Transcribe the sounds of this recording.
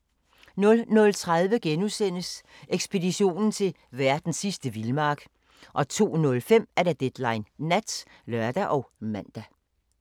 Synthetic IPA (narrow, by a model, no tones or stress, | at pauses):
nɔ̽lnɔ̽lt͡sʰʁað̞ˠʋəɡ̥enusen̰əs | ʔeɡ̥sb̥e̝diɕo̝̰ːnn̩t͡sʰe̝l | ʋæɐd̥n̩sːisd̥əʋilmɑ̈ːɡ̥ | ʔɒ̽t͡sʰo̝̰ːnɔ̽lfem̰æɐɾ̥æd̥ed̥lɑ̈ɪnːæd̥s | lœɐd̥æʔɒ̽ʊmæn̰d̥æ